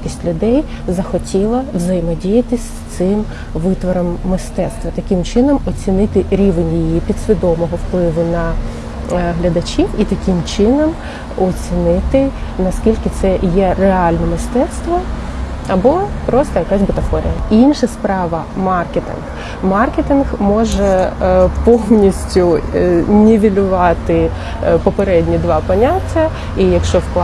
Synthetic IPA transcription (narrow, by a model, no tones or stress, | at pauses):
kʲisʲtʲlʲʊd̪ɛj | zɐxɔtʲilˠɐwzɐjɪmɔdʲijɐt̪ɪsʲ | t̪sɪm | ʋɪt̪ʋɔɾɔmːɪst̪ɛt̪st̪ʋɐt̪ɐkʲɪmt͡ʃɪnɔmɔt͡sʲinɪt̪ɪɾʲiʋenʲjiijipʲid̪sʲʋʲid̪ɔmɔɦɔwplˠɪʋʊnɐ | ɦlʲɐd̪ɐt͡ʃʲiwit̪ɐkʲɪmt͡ʃɪnɔm | ɔt͡sʲinɪt̪ɪnɐskʲilʲkɪt̪sɛjɛreɑlʲnɔmɪst̪ɛt̪st̪ʋɔ | ɐbɔpɾɔst̪ɔjɐkasʲbʊt̪ɐfɔɾʲɪ̰jɐinʃɐspɾɑʋɐ | mɑrket̪ɪ̰nx | mɑrket̪ɪnxmɔʒɛpɔwnʲisʲtʲʊnʲɪʋʲilʲʊʋɑt̪ɪ | pɔpeɾɛdʲnʲid̪ʋɑpɐnʲatʲːjɐ | ijɐkʃt͡ʃɔwkˠ